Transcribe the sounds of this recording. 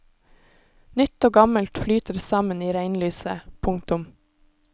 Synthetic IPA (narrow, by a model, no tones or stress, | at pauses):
nʏt̪ːoːɡɑməlt̪flyːt̪əɾsɑməniːɾæɪnlyːsəpʰʊŋt̪ʊm